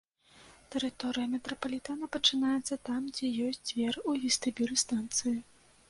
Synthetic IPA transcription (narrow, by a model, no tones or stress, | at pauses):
t̪ɛɾɨt̪ɔɾɨjɐmʲɛt̪ɾɐpɐlʲit̪anɐpɐt͡ʂɨnajɛt̪sːɐt̪amd͡zʲɛjɔsʲtʲd͡zʲvʲɛruɣʲist̪ɨbʲilʲst̪ant̪sɨji